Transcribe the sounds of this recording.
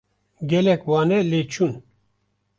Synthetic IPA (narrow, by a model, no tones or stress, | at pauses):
ɡɛlɛkwɑnɛlet͡ʃʰun